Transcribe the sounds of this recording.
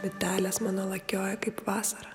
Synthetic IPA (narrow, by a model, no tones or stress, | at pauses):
ʋʲɪt̪ʲæːlʲesmɑːnoːlˠɐkʲoːjɛkɐɪpʋɑːsɐɾɐ